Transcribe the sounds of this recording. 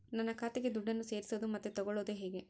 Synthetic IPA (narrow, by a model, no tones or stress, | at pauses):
nɐnːɐkʰaːt̪eɡed̪uɖːɐnːuse̞ːɾisɐd̪umɐt̪ːet̪ɔɡɔɭoːd̪eɦeːɡe̞